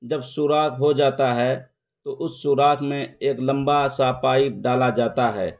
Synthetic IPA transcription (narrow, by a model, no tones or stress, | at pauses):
d͡ʒəbsuːɾaːk̪ɦod͡ʒaːt̪aɦɛ | t̪oʔʊsːuːɾaːkʰmẽeːklɐ̃mbasaːpaːiɖaːlad͡ʒaːt̪aɦɛ̰ː